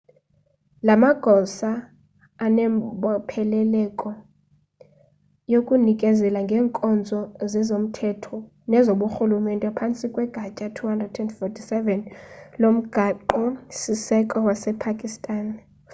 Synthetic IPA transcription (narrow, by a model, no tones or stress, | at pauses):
lamaɡ̥ʱɔsaː | nɛmɓɔpʰɛlɛlɛkʼɔ | jokʼunikʼɛzɛlaŋɡʱɛːŋkʼɔnd͡zʱɔzɛzom̩tʰɛtʰɔ | nɛzoɓuxulumɛntʼɛpʰant͡sʼikʼwɛɡ̥ʱat͡ʃʼatʰuhandrɛdɛndfɔtʰisɛvɛnlom̩ɡ̥ʱaǃɔsisɛkʼɔwasɛpʰakʼistʼaːn